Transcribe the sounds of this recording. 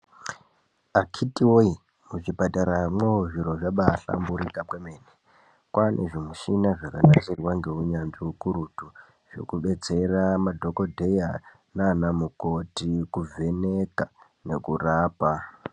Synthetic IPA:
akʰitiwoi | muʐibataɾamweoʐiɾo̞ʐaɓaɬa̰mbuɾikapwemeːne | kwanʔḛʐimuʃinaʐakanasirwaŋɡe̞uɲaniukuɾutu | ʐ̥ḛkuɓe̞t͡se̞ramadʱo̞ko̞dʱe̞ja | nanamuko̞tikuvʱe̞neka | ne̞kuraːpa

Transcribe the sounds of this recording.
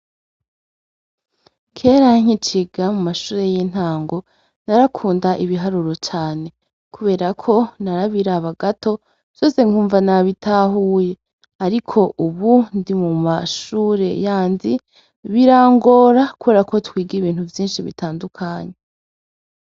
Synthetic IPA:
kʰe̞ɾaŋ̥it͡ʃiɡamumaʃuːɾe̞jin̥haːŋɡo̞ | naɾakʰuːndaʔiβiɦaɾuɾo̞t͡ʃaːne̞ | kuβe̞ːɾakʰo̞naɾaβiɾaβaɡato̞ | vjo̞ːse̞ŋ̥uːɱvanaβitʰaɦuːje̞ | aɾikʰo̞ʔuβundimumaʃuːɾe̞̰jaːndi | βiɾaːŋɡo̞ːɾakuβe̞ːɾako̞twiːɡiβiːn̥huvjiːnʃiβḭtaːndukʰaɲe̞

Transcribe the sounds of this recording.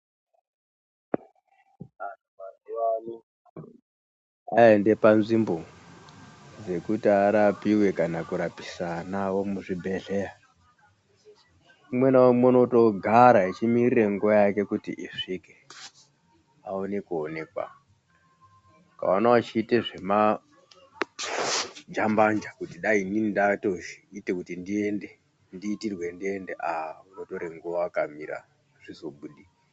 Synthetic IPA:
anuasiwano | aende̞panzimbo̞ | d͡ze̞kutiaɾapiwe̞kanakuɾapi̥sanawo̞muʐibʱe̞ɮe̞ra | umwe̞nawomonoto̞ɡʱaɾait͡ʃimirire̞ŋɡuajake̞kutḭʔiʂike | aonekuone̞kwa̰ | ka̰onawut͡ʃiːteʐe̞ma | d͡ʒamband͡ʒakutiɗaininindatoitekutindiende | ndiːtirwe̞ndiendeʔaauno̞to̞ɾeŋɡuʋaakamiɾa̰ | ʐ̥izoɓuɗia

